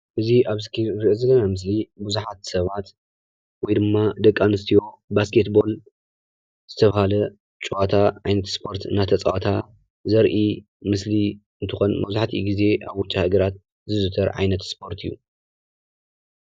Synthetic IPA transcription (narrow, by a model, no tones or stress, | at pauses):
ʔɨziʔaβskʰiɾɨʔɨzɐlːɐnamɨs̬libuzuħat̪sɐβat̪ | wɔjd̪ɨmːad̪ɐkʼːanɨst̪ʰijo̞ | baskʰet̪bo̞l | z̥ɨt̪ʰɐβahalɐ | t͡ʃʼuat̪ʰaʕajnɐt̪spʰo̞ɾt̪ɨnat̪ʰɐt͡sʼa̰wat̪ʰa | zɐɾʔi | mɨsli | ɨnt̪ʰɨxo̞nmɐβzuħt̪ʰiɡize̞ʔaβwʊt͡ʃʼahɨɡɐɾat̪̚ | zɨzɨt̪ʰɐɾʕa̰jnɐt̪spʰo̞ɾt̪ʰɨjːu